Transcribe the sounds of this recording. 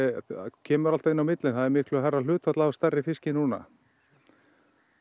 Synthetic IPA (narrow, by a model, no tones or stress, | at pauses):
cʰɛːmʏɾalt̪ɪnːawmɪt̪lɪnθaðɛɾmɪhklʏaɦarːal̥ʏːt̪fat̪laast̪ɛrːɪfɪscɪnuːna̰